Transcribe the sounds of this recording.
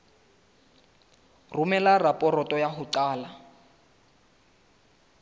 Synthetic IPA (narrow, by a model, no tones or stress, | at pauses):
rumɛlarapʼɔrɔtʼɔjaɦʊǀaːla